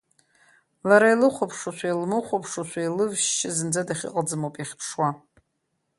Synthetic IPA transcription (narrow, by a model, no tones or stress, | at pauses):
laɾailɨχʷapʰʂaʃʷʰailmɨχʷopʰʂaʃʰʷailɨvʃt͡ʃɪzɨnd͡zadaχʲḭqʼəd͡zɨmowpʼiχʲpʰʂwa